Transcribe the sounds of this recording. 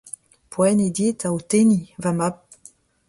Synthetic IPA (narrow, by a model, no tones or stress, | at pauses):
pʰwɛned̪et̪aot̪enivamap̚